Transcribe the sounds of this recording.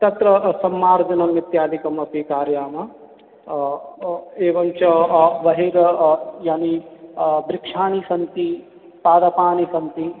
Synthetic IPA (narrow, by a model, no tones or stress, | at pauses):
t̪ɐt̪ɾɐsɐmːaːɾd͡ʒɐnɐmit̪jaːd̪ʱikɐmɐpikaːɾjaːmɐ | eːʋɐmt͡ʃɐʋɐɦiɾjaːni | b̪ɾɪkʂaːnisɐnt̪i | paːd̪ɐpaːnisɐnt̪i